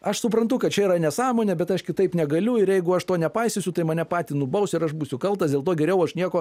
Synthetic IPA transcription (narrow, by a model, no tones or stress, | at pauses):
ɐʃsʊpɾɐnt̪ʊkɐt̪̚t͡ʃʲɛiːɾɐnʲɛsɑːmoːnʲɛbʲɛt̪ɐʃkʲɪt̪ɐɪpnʲɛɡɐlʲʊɪɾjɛɪɡʊɐʃt̪oːnʲɛpɐɪsʲɪsʲʊt̪ɐɪmɐnʲɛpɑːt̪ʲiːnʊbɐʊsʲɪɾɐʃmuːsʲʊkɐlˠt̪ɐsdʲelˠt̪oːɡʲɛɾʲɛʊɐʃnʲiɛkoː